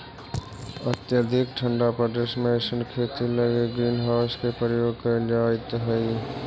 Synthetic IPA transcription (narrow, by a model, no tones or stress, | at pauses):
ət̪jəd̪ʱɪkʈʰəɳɖapɾəɖəʃmẽʃənkʰeːt̪iləɡeɡɾiːnɦaʊskepɾəɾjoːɡkəed͡ʒaːjt̪ɦəj